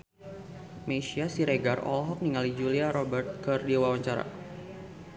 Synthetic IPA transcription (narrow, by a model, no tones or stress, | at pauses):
meʃiasiɾeɡarɔ̰lɦɔk̚niŋalid͡ʒuliaɾɔbərt̪̚kɨrdiwawaɲt͡ʃaɾa̰